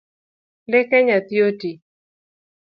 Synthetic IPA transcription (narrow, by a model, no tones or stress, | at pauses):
lɪkɛɲat̪joti